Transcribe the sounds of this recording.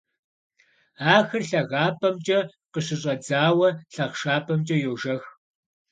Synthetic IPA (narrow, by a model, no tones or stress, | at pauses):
aːxɨrɬɐɣaːpʰʼɐmt͡ʃʼɐ | qəɕɪɕʼɐd͡zaːwɐɬɐʁʂaːpʰɐmt͡ʃʼɐjoːʒɐx